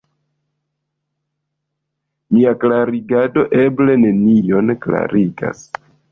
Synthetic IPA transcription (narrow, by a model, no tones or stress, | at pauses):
niaklaɾiɡado̞ʔe̞ble̞ne̞nijo̞nkla̰ɾiɡa̰s